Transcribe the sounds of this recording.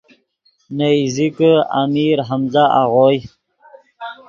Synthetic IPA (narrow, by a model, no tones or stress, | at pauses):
nejzikəa̰miɾɦamzaa̰ʁoj